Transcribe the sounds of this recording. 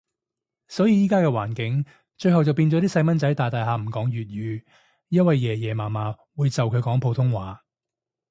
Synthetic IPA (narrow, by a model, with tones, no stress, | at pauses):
sɔː˨˥jiː˨˧jiː˥kaː˥kɛː˧wa̰ː˨˩nkɪ˨˥ŋ | t͡ʃɵ˧ɥhɐ˨wt͡sɐ˨wpiː˧nt͡sɔː˨˥t̪iː˥sɐ˧jmɐ˥nt͡sɐ˨˥jt̪aː˨˩jt̪aː˨jɦaː˨m̩˨˩kɔː˨˥ŋɥyː˨t̚jyː˨˧ | jɐ˥nwɐ˨jːɛː˨˩jɛː˨˩maː˨˩maː˨˧˥ | wuː˨˧jt͡sɐ˨wkʰɵ˨˧ɥkɔː˨˥ŋpʰo˨˧wt̪ʰʊ˥ŋwaː˨˥